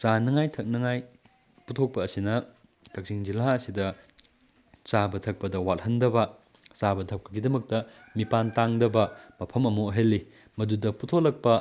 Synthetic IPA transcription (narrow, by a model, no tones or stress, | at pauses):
t͡ʃanɐŋajtʰɐk̚nɐŋaj | putʰok̚pɐːsinɐ | tʰɐk̚siŋd͡ʒilaɐsidɐ | t͡ʃabɐtʰɐk̚pɐdɐwat̚hɐndɐbɐ | t͡ʃabɐtʰɐp̚kɐɡidɐmɐk̚tɐ | mipantaŋdɐbɐmɐpʰɐmɐmoɐɦelːi | mɐdudɐputʰoklɐk̚pɐ